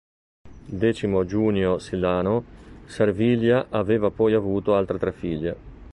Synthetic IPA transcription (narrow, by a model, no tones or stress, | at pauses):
d̪ɛːt͡ʃimod͡ʒuːnjosilːaːnosarviljaʔaveːvapɔjavuːt̪oalt̪ɾet̪ɾɛfːiʎːe